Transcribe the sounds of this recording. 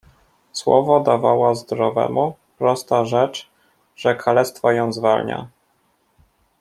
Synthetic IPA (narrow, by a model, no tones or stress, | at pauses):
swɔ̰vɔd̪avawaɔzd̪ɾɔvɛ̰mupɾɔst̪aʐɛt͡ʂ | ʐ̥ɛkalɛst̪fɔjɔ̃w̃zvalɲa̰